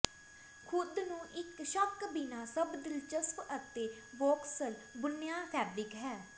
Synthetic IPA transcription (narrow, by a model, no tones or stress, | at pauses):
kʰʊd̪nũːʔɪkʃəkbɪnaːsəbd̪ɪlt͡ʃəspət̪eː | ʋɔːksəlbʊnjaːpʰɛːbɾɪkɦɛː